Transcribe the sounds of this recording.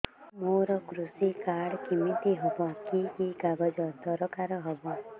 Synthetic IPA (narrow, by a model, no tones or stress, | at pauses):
moɾɔkɾusikaɽkimit̪iɦɔbɔkiiɡabɔd͡ʒɔd̪ɔɾɔkaɾɔɦɔbɔ